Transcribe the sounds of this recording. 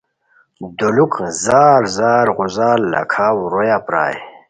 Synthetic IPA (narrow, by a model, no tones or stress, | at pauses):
d̪ulukzaːɾzaːɾɣuzaːlːa̰kʰaːwɾojaːpɾa̰ːj